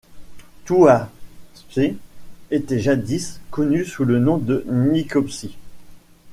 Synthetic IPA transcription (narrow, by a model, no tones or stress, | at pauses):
t̪uaspeet̪ɛʒad̪iskɔnysulənɔ̃d̪ənikɔpsi